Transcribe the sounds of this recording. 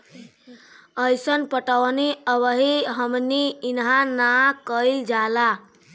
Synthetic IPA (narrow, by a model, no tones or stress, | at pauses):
əjsənpəʈəʋniəʋəɦiɦəmniːnɦãnakəild͡ʒala